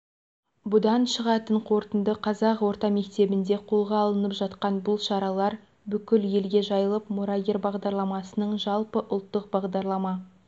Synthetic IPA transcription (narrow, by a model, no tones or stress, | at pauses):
bʊd̪ɑnʃəʁɑt̪əɴqʰo̞ɾt̪ənd̪əqʰɑzɑqwo̞ɾt̪ɑme̞kt̪e̞bɪnd̪e̞qʰo̞lˠʁɑːlˠənəpʒɑt̪qɑnbʊlˠʃɑɾɑlˠɑɾ | bʏkʲɪlje̞lɡʲe̞ʒɑjəlˠəpmuɾaɡʲeɾbɑʁd̪ɑɾlˠɑmɑsənəɴʒɑlˠpəʔʊlˠt̪ːəq̚bɑʁd̪ɑɾlˠɑmɑ